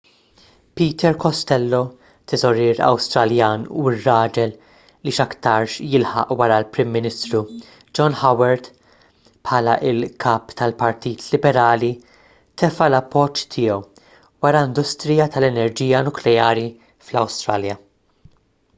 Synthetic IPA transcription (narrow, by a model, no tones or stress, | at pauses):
piːt̪ʰɛɾkɔst̪ɛlːɔ | t̪ɛzɔɾɪːɾɐ̰wst̪ɾɐljɐːnṵɪrːɐːd͡ʒɛl | liʃɐkt̪ɐɾʃjɪlħɐ̰ʔwɐɾɐlpɾɪmːɪnɪst̪ɾu | d͡ʒɔnħɐwɛɾt̪ | pħɐːlɐʔɪlkʰɐːpt̪ɐlpɐɾt̪iːt̪ʰlɪbɛɾɐːli | t̪ɛfɐlɐpːɔt͡ʃːt̪ʰɪːɔw | wɐɾɐɪnd̪ʊst̪ɾɪjɐt̪ɐlɛnɛɾd͡ʒiːjɐnʊklɛjɐːɾi | flɐwst̪ɾɐːljɐ